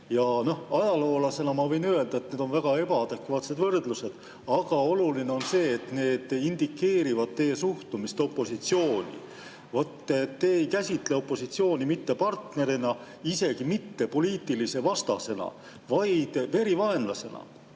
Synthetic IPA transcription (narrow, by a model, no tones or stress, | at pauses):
jɑno̞hɑjɑlo̞ːlɑse̞nɑmɑvɤ̞jnye̞ld̪ɑet̪̚ne̞ːd̪̥o̞nvæɡ̥ɑe̞bɑɑd̪̥e̞kvɑːt̪se̞d̪vɤrd̪̥luse̞d̪̥ | ɑɡ̥ɑo̞luline̞o̞nse̞ːt̪ne̞ːd̪̥ind̪̥ikːe̞ːɾivɑd̪̥̚t̪e̞jesuht̪umist̪o̞pːˑo̞sit̪sio̞ːnʲḭ | vo̞t̪ːet̪ːeejkæsʲit̪le̞o̞pːo̞sit̪sio̞ːnʲimit̪ːe̞pɑrt̪ne̞ɾinɑ | ise̞ɡ̥imit̪ːe̞po̞liːt̪ːilise̞vɑst̪ɑ̰se̞nɑ̰ | vɑjd̪̥ve̞ɾivɑe̞nlɑse̞nɑ̰